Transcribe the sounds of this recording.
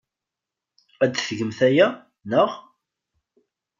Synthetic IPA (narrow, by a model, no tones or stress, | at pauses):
æd̪θəɡəmθæjæ | nəʁ